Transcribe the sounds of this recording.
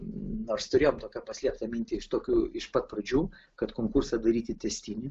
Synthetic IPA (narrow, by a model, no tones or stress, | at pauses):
noːrst̪ʊɾʲeːjoːmt̪oːkʲɛpɐsʲlʲiɛpt̪ɐmʲɪnʲt̪ʲɪɪʃt̪oːkʲuːɪʃpɐt̪prɐd͡ʒʲuː | kɐt̪koːŋkursɐd̪ɐɾʲiːt̪ʲɪt̪ʲɛsʲt̪ʲɪnʲɪ